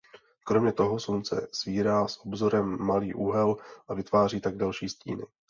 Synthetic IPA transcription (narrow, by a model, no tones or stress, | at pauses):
kɾo̞mɲɛt̪o̞ɦo̞sunt͡sɛ̰sviːɾaːsʔo̞bzo̞ɾɛmːaliːʔuɦɛlʔavɪt̪vaːr̝iːt̪aɡ̚dalʃiːscḭːnɪ̰